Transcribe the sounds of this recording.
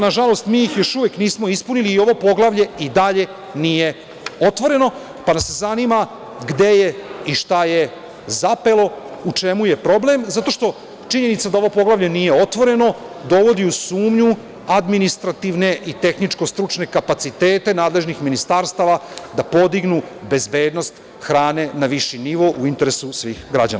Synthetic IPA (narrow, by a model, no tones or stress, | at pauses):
naʒalˠo̞st̪miːjixjo̞ʃuʋekniːsmo̞ispuniliːo̞ʋo̞po̞ɡlaʋʎe̞id̪aʎe̞ | nije̞ | o̞t̪ʋo̞ɾe̞no̞ | panasezanima | ɡd̪e̞je̞iʃt̪aje̞ | zape̞lo̞ut͡ʃe̞muje̞pɾo̞ble̞mzat̪o̞ʃt̪o̞ | t͡ʃiɲe̞nit̪sad̪ao̞ʋopo̞ɡlˠaʋʎenijeo̞t̪ʋo̞ɾe̞no̞d̪o̞ʋo̞d̪iusuːmɲu | ad̪minist̪ɾat̪iʋne̞ʔit̪e̞xnit͡ʃko̞st̪ɾut͡ʃne̞kapat̪sit̪eːt̪e̞naːd̪le̞ʒnixminist̪aɾst̪aʋad̪apo̞d̪iɡnube̞zbeːd̪no̞st̪ | xɾaːne̞naʋiʃiniʋo̞ʔuint̪e̞ɾe̞susʋiːxɡɾad͡ʑa̰n̰